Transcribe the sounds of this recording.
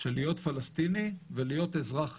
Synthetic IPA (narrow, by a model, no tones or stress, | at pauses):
ʃelijo̞t̪falast̪inivelijo̞t̪ezʁaχ